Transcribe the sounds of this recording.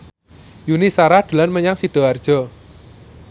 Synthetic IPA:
junisaɾad̪̥ṳlanməɲaŋsiɖ̥ɔ̤ard̥ʒ̥ɔ̤

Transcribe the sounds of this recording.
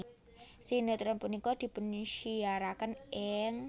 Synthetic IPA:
sinət̪ɾɔnpunikɔd̪̥i̤pənʃiaɾakənʔɛŋ

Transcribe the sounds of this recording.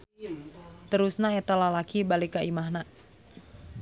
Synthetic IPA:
t̪əɾusnaet̪alalakibalikaʔimaɦna

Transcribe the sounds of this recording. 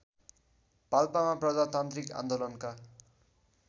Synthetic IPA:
palpamaprʌd͡zat̪ant̪rikã̰nd̪olʌnka

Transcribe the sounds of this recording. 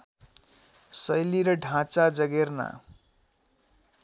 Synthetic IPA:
sʌjliɾʌɖʱãt͡sad͡zʌɡerna̰

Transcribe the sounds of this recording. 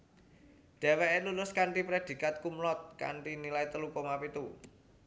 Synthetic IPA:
d̥e̤weelulʊskaɳʈipɾed̪̥i̤kat̪̚kumlɔt̪̚ka̰ɳʈinilajt̪əlukɔmapit̪u

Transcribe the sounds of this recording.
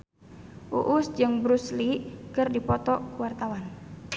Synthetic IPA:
ʔṵʔʊsd͡ʒɨŋbɾuslikɨrdipɔt̪ɔkuwart̪awan

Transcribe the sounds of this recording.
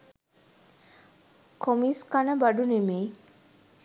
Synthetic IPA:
kʰɔmiskanabaɖunemej

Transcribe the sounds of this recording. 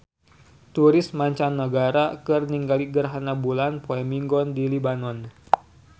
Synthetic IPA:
t̪uɾɪsmaɲt͡ʃanːəɡaɾakərniŋɡaliɡərɦanabulanpoɛmiŋɡɔndilibanɔn

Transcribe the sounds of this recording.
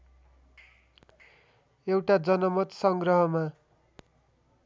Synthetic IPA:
ewʈad͡zʌnʌmʌt̪sʌŋɡrʌɦʌma

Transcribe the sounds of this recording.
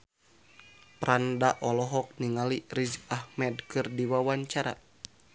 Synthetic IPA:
pɾandaʔɔlɔɦɔk̚niŋalirizahmɛdkɨrdiwawaɲt͡ʃaɾa̰

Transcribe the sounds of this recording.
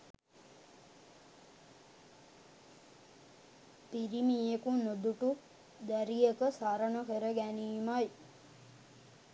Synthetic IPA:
piɾimijekunod̪uʈu | d̪æɾijekəsaɾənəkəɾəɡæniːmaj

